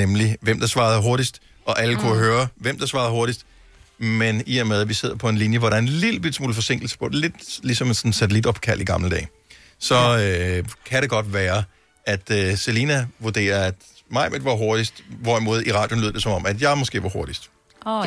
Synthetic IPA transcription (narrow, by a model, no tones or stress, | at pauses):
nemliʋem̰d̥ɑ̈sʋɑ̈ːð̩ˠɦo̝ɐɾisd̥ | ʔɒ̽ʔæləkʰuɦøːɐʋem̰d̥ɑ̈sʋɑ̈ːðˠho̝ɐɾisd̥ | meniʋɛɐmeðˠʋise̝ð̞̰ˠɐpʰɒ̽e̝nlinjəʋɒɾɑæɐenlid̥l̩b̥id̥smṵːləfɒ̽se̝ŋ̰ɡ̥l̩sə̥pʰɒ̥̽le̝d̥lisɒ̽mensɒ̽nn̩sætʰelid̥ɒ̽b̥kʰæl̰iɡ̥ɑ̈mləd̥ɛ̰ː | sɒ̽økʰæɾ̥e̝ɡ̥ɒ̽d̥ʋæːɐ | æd̥øselinæʋuɐd̥e̝̰ːɐæd̥mɑ̈ɪ̰mʔed̥ʋɑ̈ɦo̝ɐd̥isd̥ʋɒimoːð̞̩ˠiʁɑ̈ːdjony̰ð̰ˠd̥e̝sɒ̽mɒ̽mʔæd̥jɑ̈ɪmɒ̽sɡ̥e̝̰ːʋɑ̈ho̝ɐɾ̥isd̥